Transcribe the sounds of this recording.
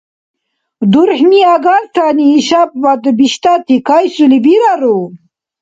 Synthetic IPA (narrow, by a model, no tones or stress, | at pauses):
d̪uɾħmiaɡalt̪ʰaniːɕab̚bad̪əbiɕt̪at̪ikajsulibiɾaɾo